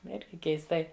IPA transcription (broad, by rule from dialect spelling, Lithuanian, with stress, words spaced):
ˈɪrʲɡʲɪ kʲɛɪsˈtɐɪ